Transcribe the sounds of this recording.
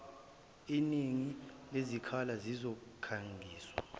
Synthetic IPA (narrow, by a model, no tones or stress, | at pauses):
iniŋilezikʰalazizɔkʰaŋɡʱiːswa